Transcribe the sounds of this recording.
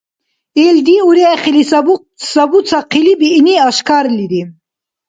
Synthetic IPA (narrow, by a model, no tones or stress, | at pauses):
eld̪iuɾiaχilisb | sɐbut͡sʰaqʰilibiːniaʃkaɾliɾi